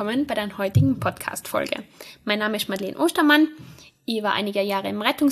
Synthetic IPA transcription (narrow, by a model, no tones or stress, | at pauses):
ɔmənbaɪdaːnɐhɔʏtɪɡŋ̩pʰɔtkʰa̰ːstfɔ̰lɡə̰maɪnːaːməɪstmadlḛːnʔoːstɐman | ʔivaːʔa̰ɪnɪɡəjaːʁəɪmʁɛtʊŋ